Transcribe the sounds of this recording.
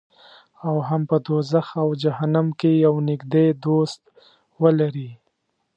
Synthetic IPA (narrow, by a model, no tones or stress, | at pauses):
awɦampəd̪ozaxawd͡ʒaɦanamkejawnɪɡd̪ed̪ost̪ | wəlaɾi